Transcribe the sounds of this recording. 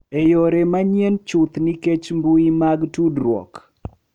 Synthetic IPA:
ejoɾemaɲjent͡ʃut̪niket͡ʃmbuimaɡtudɾwɔ̰k

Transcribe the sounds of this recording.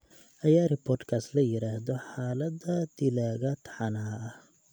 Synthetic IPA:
ʔɐjaːrɪpʰɔːrd̪kʰaːslɐjɪɾaːhðɔħaːlɐd̪ɐd̪̥ɪlaːɣɐt̪ʰɑ̥ħɑnɐɐɐ

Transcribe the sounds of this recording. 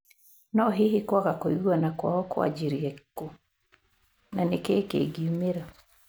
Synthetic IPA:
nɔɦiɦikwaɣakoiɣwanakwa̰ɔkwa̰d͡ʒiɾiɛku | nanekeːkḛɡiumeɾa

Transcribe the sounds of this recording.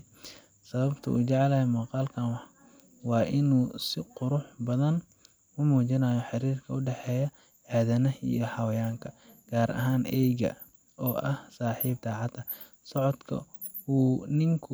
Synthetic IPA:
sɐβɐbt̪ʰɐ̰ʔṵːt͡ʃɛʕɛlɐhɛmuqɑːlkʰɐnwɑħ | wɑːʔɪnuːsɪqʊɾʊħbɐðɐn | ʊmuːt͡ʃɪnaːjɔħɪɾiːrkʰɐʊɖɛħɛːjɐ | ʕaːðɐnɐḭjɔħɑwɐjaːŋkʰɐɡ̥aːɾʔɐ̰ɦaːnʔɛjɣɐ̰ | ɔːʔɐhsaːħiːb̚d̪aːʕɑd̪ɐ | sɔʕɔd̪kʰɐ̰ | uːnɪŋkʰʊ

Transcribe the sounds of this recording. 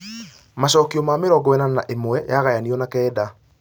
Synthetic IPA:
maɕɔːkiɔmameɾɔɡɔɛnanaʔemoɛjaɣajaniɔnakɛːda

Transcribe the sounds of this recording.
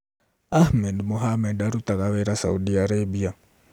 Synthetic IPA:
ahmɛdmoɦamɛdaɾut̪akaβɛɾasa̰udiaɾebia

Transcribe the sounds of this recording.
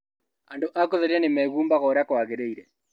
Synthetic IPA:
andoʔakoðɛɾianemɛɣuːmbaɣɔɾakwaɣeɾeiɾɛ

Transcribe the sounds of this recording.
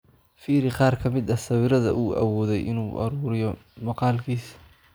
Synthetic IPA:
fiːɾɪqɑːrkʰɐmɪd̪ɐsɐwɪɾɐðɐ̰ʔuːʔɐ̰wɔːðɛjʔɪ̰nuːʔɐ̰ɾuːɾɪjɔmɑqɑːlkʰiːs

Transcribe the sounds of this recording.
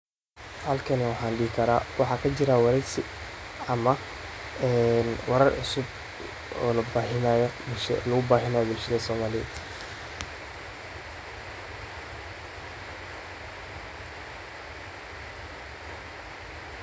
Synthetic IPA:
hɐlkʰɐnɪwɑħɑːnɖɪːkʰɐɾa̰ːwɑħɑːkʰɐt͡ʃɪɾawɑɾɛjsɪ | ɐmɐ | ɛːnwɑɾɐrʕʊ̰sʊb | ɔ̰ːlɐbaːɦɪnaːjɔbɪʃlʊɣʊbaːɦɪnaːjɔbɪlʃɐðɐsɔːmaːlɪjɛd̪

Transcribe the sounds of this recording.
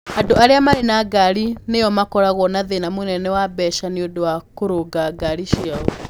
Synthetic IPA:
adoaɾeamaɾenaɡaɾinejɔmakɔɾaɣɔnaðenamonɛnɛwabɛʃaneodowakoɾoɡaɡaɾiʃijaɔ

